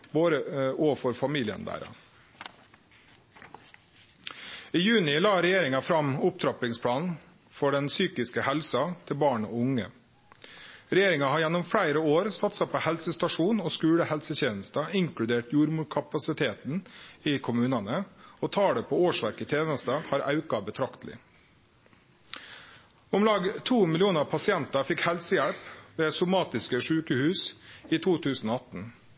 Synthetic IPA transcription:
boːɾəɔfɔɾfɑmiːlɪə̰nd̪æ̰ːɾɑ̰ | iːjʉːnɪlɑːɾɛjeːɾɪŋɑfɾɑmʊp̚t̪ʰɾɑplɪŋspʰɽɑːnn̩ | fɔɖɛnsyːkɪskəhɛlsɑt̪ʰɪlbɑːɳo̰ʊŋə̰ | ɾɛjeːɾɪŋɑhɑɾjɛnːɔmfɽæɪɾəoːɾsɑt̪sɛpʰoːhɛlsəst̪ɑʂuːnoːskʉːɽəhɛlsət̪çeːnəst̪ɑɪŋkɽʉd̪eːʈjuːɾmuːʈkʰɑpɑsɪt̪ʰeːt̪niːkʰʊmʉːnɑnəɔt̪ʰɑːɽəpʰoːoːʂʋæɾkət̪ʰjeːnəst̪əhɑːɾʔɑʉkɑbət̪ʰɾɑkt̪lɪ̰ | ɔmlɑːɡt̪ʰuːmɪlɪuːnəpʰɑsɪɛnt̪ɑfɪkhɛlsəjæɽpʋeːsʊmɑːt̪ɪskəʂʉːkəhʉːsiːt̪ʰuːt̪ʰʉːsn̩oːɑt̪n̩

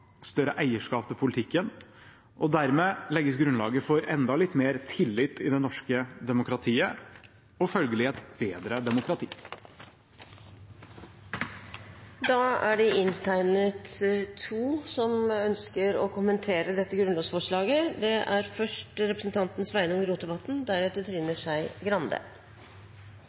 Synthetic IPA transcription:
st̪œɾəʔæɪəʂkɑːpt̪ɪpʰʊlɪt̪ʰɪkːən | ʔɔd̪æɾmeːlɛɡːəsɡɾʉnlɑ̰ːɡəfɔɾɛnd̪ɑlɪt̪ːmeːɾt̪ʰɪlːɪt̪ːɪd̪ɛnɔʂkəd̪ɛmʊkɾɑt̪ʰiːə | ɔfœlɡəlɪɛt̪beːd̪ɾəd̪ɛmʊkɾɑt̪ʰiː | d̪ɑːæɖɛɪnt̪ʰæɪnət̪t̪ʰːuːsɔmœnskəɾɔkʰʊmənt̪ʰeːɾəd̪ɛt̪ːəɡɾʉnlɑːɡsfɔʂɭɑːɡəd̪ɛʔæɾfœʂʈɾɛpɾəsn̩t̪ʰɑnt̪n̩sʋæɪnʊŋɡɾuːd̪ɛbɑt̪ːn̩d̪æɾɛːt̪ət̪ɾɪnːəʂæɪɡɾɑnd̪ə̰

